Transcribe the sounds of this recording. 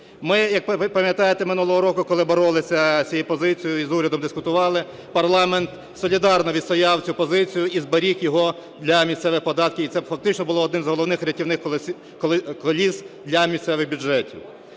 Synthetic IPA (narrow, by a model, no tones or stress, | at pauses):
mɪjɐk̚pɐmjɐt̪ɑjet̪emɪnulˠɔɦɔɾɔkʊkɔlˠɪbɔɾɔlˠɪsʲɐsʲijipɔzɪt͡sʲijʊizuɾʲɐd̪ɔmd̪ɪskʊt̪ʊʋɑlˠɪ | pɐrlˠɑment̪ | sɔlʲid̪ɑrnɔʋʲid̪sɔjɑwt͡sʲupɔzɪt͡sʲijʊizbɐɾʲixjɔɦɔ | d̪lʲɐmʲist̪sɛʋɪpɔd̪ɑt̪̚kʲɪit̪sɛfɐk̚t̪ɪt͡ʃnɔbʊlˠɔːd̪nɪmzɦɔlˠɔwnɪxɾʲɐtʲiwnɪxʲ | kkɔlʲisd̪lʲɐmʲisʲt̪sɛʋɪɣbʲud͡ʒɛtʲḭw